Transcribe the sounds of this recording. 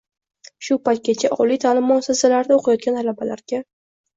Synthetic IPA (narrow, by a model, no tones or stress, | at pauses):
ʃʊpajt̪̚ɡʲat͡ʃʰaʔɒlit̪ʰalɪmːʊsasalaɾd̪aoqʰɑjɒt̪̚ɡʲanʰalabalaɾɡʲa